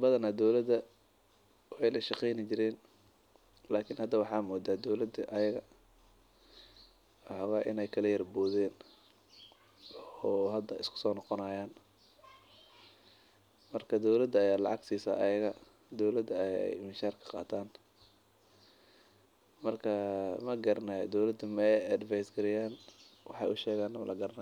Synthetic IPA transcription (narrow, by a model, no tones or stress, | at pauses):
bɐðɐnɐd̪ɔwlɐd̪ɐ | wħɛjlɐʃɑqɛjnɪt͡ʃɪɾɛːn | laːkʰɪnhɐd̪ɐwɑħɑːmɔːd̪aːd̪ɔwlɐd̪ɐʔɐjɐɣɐ | ɑħɑwaːʔɪ̰nɛjkʰɐlɐjɐrbɔːðɛːn | ɔːɦɐd̪ɐɪskʰʊ̥sɔːnɑqɔnɐjaːn | mɐrkʰɐd̪ɔwlɐd̪ɐjaːlɑ̰ʕɑɡsiːsa̰ːʔɐjɐɣɐ | d̪ɔwlɐd̪ɐɛ̰jmɪnʃaːrkʰɐ̥qɑ̰ːt̪ʰaːn | mɐrkʰɐmɐɡɐɾɐnaj̰d̪ɔwlɐd̪ʊmɛɐd̪ɪfajsɡɐlɪjaːnwɑ̰ħɑ̰jʔʊʃɛːɣaːnːɐmɐ̰lʔɐɡɐɾɐna